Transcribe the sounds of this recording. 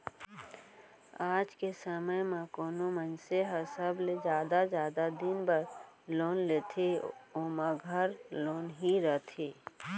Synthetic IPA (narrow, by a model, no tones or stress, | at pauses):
aːd͡ʒkesəməjmãkoːnomənseɦəsəbled͡ʒjaːd̪ad͡ʒjaːd̪ad̪ɪnbəɾ | loːnlet̪ʰeoːmãɡʱəɾloːnɦiɾət̪ʰeː